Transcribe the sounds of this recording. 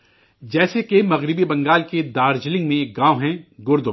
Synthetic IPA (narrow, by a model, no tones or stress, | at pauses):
d͡ʒɛːsekemɐɣɾɪbibɐ̃ŋɡaːlked̪aːɾd͡ʒlɪ̃ŋɡmẽeːk̚ɡãːwɦɛ̃ɡʊɾd̪ʊ